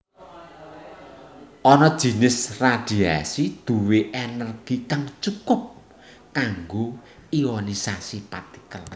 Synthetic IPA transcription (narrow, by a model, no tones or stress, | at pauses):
ʔɔnɔd̥ʒ̥i̤nɪsrad̪̥i̤asid̪̥ṳweʔɛnərɡ̥ikaŋt͡ʃukʊp̚ | kaŋɡo | iɔnisasipat̪i̥kəl